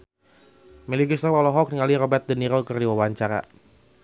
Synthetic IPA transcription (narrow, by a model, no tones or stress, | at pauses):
miliɡist̪awalɔɦɔk̚niŋaliɾɔbɛrt̪̚dəniɾɔkərdiwawaɲt͡ʃaɾa̰